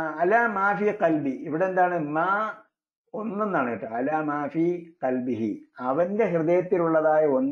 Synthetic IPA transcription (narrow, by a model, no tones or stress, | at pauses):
ɐlaːmaːfiːqɐlbiiʋiɽeend̪aːɳɨmaː | o̞nːenːaːɳeːʈːɨɐlaːmaːfiːqɐlbiɦḭɐʋɐndeɦrɨðɐjɐt̪ːiluɭːɐðaːjɐonː